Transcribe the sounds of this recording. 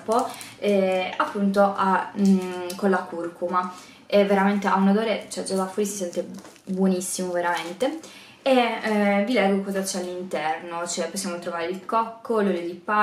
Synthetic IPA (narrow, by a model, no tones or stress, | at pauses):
poɛapːunt̪̬oʔa | kolːakurkuma | evːeɾament̪eaunad̪oːɾet͡ʃoɛd͡ʒad̪afːɔɾisisɛnt̪e | bwonisːimoveɾament̪e | evilɛɡːokɔzat͡ʃɛalːint̪ɛrnot͡ʃoɛpːosːjaːmot̪ɾovaːɾeilkɔkːoloɾed̪ipa